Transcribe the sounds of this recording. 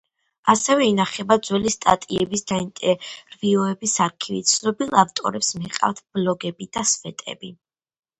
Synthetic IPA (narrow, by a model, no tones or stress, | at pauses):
asɛvɛinaχɛbad̪zwɛlist̪ʼat̪ʼiɛbisd̪aint̪ʼɛɾviɔɛbisaɾkʰivḭt̪sʰnɔbilˠaft̪ʼɔ̰ɾɛpsmɛqʼa̰ft̪ʰb̥lɔɡɛbid̪̥asvɛt̪ʼɛ̰bi